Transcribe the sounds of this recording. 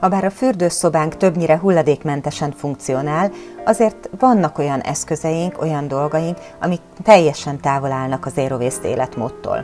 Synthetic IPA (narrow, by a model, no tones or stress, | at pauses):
hɒbaːɾɒfyrd̪øːso̞baːŋkt̪ø̞bɲiɾɛɦulːɒd̪eːkmɛnt̪ɛʃɛɱfuŋkt̪sijo̞naːlɒzeːrt̪vɒnːɒko̞jɒnʔɛ̰skø̞zɛjiŋko̞̰jɒnd̪o̞lɡɒjiŋk | ɒ̰mik̚ | t̪ɛjːɛʃɛnt̪aːvo̞laːlnɒkɒzeːɾoveːst̪ḛːlɛt̪mo̰ːt̪ːo̰ːl